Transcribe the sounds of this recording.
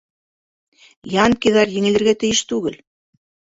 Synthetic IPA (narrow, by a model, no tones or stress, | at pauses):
jɑŋkiðɑɾjɘ̆ŋɘ̆lɘ̆ɾɡæt̪ɘ̆jɘʃt̪ʉɡɘl